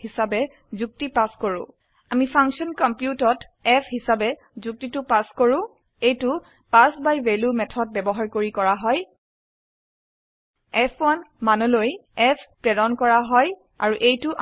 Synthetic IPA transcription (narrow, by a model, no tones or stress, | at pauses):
hisabɛ | zuk̚tipaskoɹʊ̃ | amipʰaŋksɔnkɔmpjutɔt | ɛpʰɦisabɛ | zuk̚titʊpaskoɹʊ̃ | ejtʊ | pasbajvelumɛtʰɔt̚bɛbɔɦaɹkoɹikɔɹaɦɔj | ɛpʰɔnmanɔlojɛpʰpɹɛdɔnkɔɹaɦɔj | a̰ɹuʔejtʊʔ